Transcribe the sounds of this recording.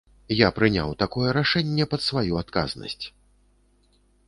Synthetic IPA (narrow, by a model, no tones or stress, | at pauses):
japɾɨnʲa̰wt̪akɔjɛɾaʂɛnʲːɛpɐt̪svajuat̪ka̰znɐ̰sʲt͡sʲ